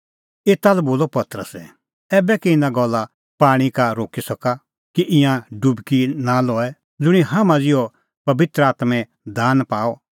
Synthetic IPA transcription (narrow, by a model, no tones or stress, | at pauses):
eːt̪alɛboːlɔpɐt̪ɾə̰sɛ | ɛːbɛkiɪ̃nãɡɔlːa | paːɽ̃ikaɾoːkisɐka | kiʔɪ̃jãɖʊbkinalɔːɛ | d͡zʊɽ̃iɦamãd͡zɪjɔ | pɐbɪt̪ɾəaːt̪mɛ̃ | d̪ʱaːnpaːɔ